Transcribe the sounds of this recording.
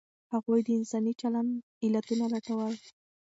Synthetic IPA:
haɣujd̪əɪnsɑnit͡ʃaland̪ | ɪlat̪unalaʈawəl

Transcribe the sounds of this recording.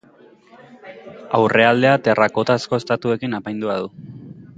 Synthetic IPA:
awre̞ald̪e̞at̪e̞rʔako̞t̪asko̞est̪at̪ue̞kinapajnd̪uað̞u

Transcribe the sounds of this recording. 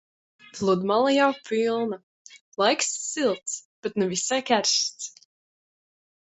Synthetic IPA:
flˠud̪malˠjawpʰilˠna | lˠajksːilˠt̪sb̥et̪nuvisajkʲæɾst̪s

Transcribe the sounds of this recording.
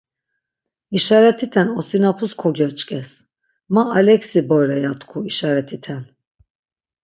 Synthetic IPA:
iʃaɾɛt̪ʰit̪ʰɛnɔsinapʰuskʰɔɡɛt͡ʃʼkʰʼɛs | maːlɛksibɔjɾɛjat̪kʰuiʃaɾɛt̪ʰit̪ʰɛn

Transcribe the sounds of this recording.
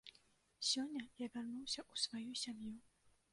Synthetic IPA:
sʲɔnʲːɐjavʲarnuwsʲɐʔusvajusʲamju

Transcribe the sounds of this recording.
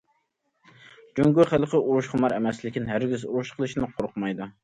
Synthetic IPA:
d͡ʒyŋɡʲuχælˠqʰəuɾuʃqʰɑmɑɾɛmɛslɪkʲinɦæɾɡʲizuɾuʃqʰəlˠɨʃnɪqʰoɾqʰʊmɑjd̪u

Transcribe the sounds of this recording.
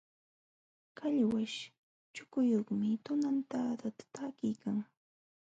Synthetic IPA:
kaʎwaʃ | t͡ʃʊkʊjoχmɪt̪ʊnant̪aːt̪at̪ḁt̪aːkɪjkaŋ

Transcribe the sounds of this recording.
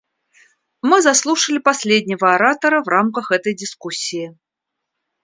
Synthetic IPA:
mɨzaslˠuʂəlʲipasʲlʲed̪ʲnʲɐvɐaɾat̪ɐɾɐvɾamkəxɣɛt̪əjdʲiskusʲːiji

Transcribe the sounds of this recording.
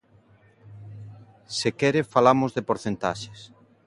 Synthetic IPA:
sekɛɾefalamozðepoɾθent̪aʃes

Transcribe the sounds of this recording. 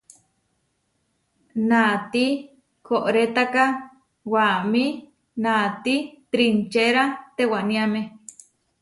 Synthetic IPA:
nat̪i | koʔɾet̪aka | wami | nat̪it̪ɾint͡ʃeɾat̪ewanĩame

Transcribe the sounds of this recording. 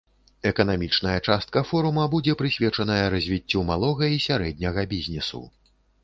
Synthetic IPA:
ɛkɐnamʲit͡ʂnɐjɐt͡ʂast̪̚kɐfɔɾumɐbud͡zʲɛpɾɨsʲvʲɛt͡ʂɐnɐjɐɾɐzʲvʲit͡sʲːumalˠɔɣɐisʲaɾɛd̪̚ʲnʲɐɣɐbʲizʲnʲɛsṵ

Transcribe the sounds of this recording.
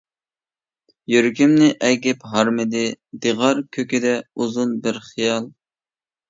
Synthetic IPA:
jøɾkʲimnɪʔɛɡʲɛpɦɑɾmɪd̪ɪd̪eʁɑɾkʲʰøkʲid̪ɛuzunbɪɾχijɑlˠ

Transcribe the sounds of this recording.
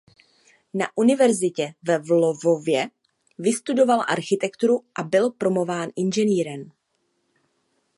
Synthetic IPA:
naʔunɪvɛɾzɪcɛvɛvlovovjɛ | vɪst̪udo̞valʔaɾxɪt̪ɛkt̪uɾuʔabɪlpɾo̞movaːnʔɪnʒɛniːɾɛm

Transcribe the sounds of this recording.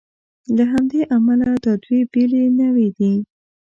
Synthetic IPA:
laɦamd̪eʔamalad̪əd̪webelenəwid̪i

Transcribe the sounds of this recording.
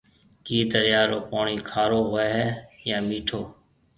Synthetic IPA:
kiːt̪əɾjaːɾoːpaːɳiːkʰaːɾoːɦoeɦɛːjãːmiːʈʰoː

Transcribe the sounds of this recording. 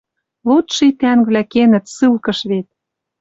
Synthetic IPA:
lut̪ʃit̪æŋβlækenə̆t̪sɨlkɤ̆ʃβet̪̚

